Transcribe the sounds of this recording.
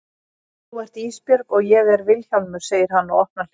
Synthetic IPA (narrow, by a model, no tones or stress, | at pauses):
θuɛɾ̥t̪iːspjœɾkɔɣjɛɣɛɾvɪlçawlmʏ̥seːjɪɾ̥hanːawɔhtnal̥